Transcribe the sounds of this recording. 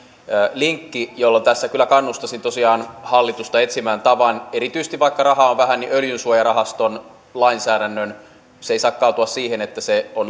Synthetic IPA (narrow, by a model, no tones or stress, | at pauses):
liŋkːijolːont̪æsːækylːˑækɑnːust̪ɑsint̪osiɑːnhɑlːit̪ust̪ɑet̪simæːnt̪ɑʋɑneɾit̪ysest̪iʋɑikːɑrɑhɑoʋʋæɦænniʔøljynsuojɑrɑɦɑst̪on | lɑinsæːɾænːøn | seisɑːkkɑˑut̪uɑssiːhenet̪ːæseon